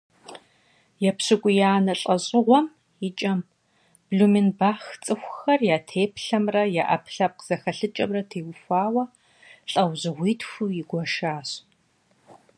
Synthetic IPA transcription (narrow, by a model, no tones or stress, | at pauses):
jɛpɕɨkʷʼʊjaːnɐɬʼɐɕʼɪʁʷɔm | jɪt͡ʃʼɐm | b̥ɮumɪnbaːxt͡sʼɨxʷxɐrjaːtʰeːpʰɬɐmrɐjaːʔɐ̰pʰɬɐp̚qz̥ɐxɐɬɨt͡ʃʼɐmrɐtʰeːwxʷaːwɐ | ɬʼɐwʑɨʁʷiːtʰxʷuːjɪɡʷɔʃaːɕ